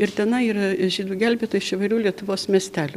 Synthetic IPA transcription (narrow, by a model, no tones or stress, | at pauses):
ɪɾt̪ʲɛnɐiːɾɐʒʲiːd̪uːɡʲælʲbʲeːt̪oːɪʃɪʋɐɪɾʲuːlʲiɛt̪ʊʋoːsmʲɛsʲt̪ʲæːlʲʊ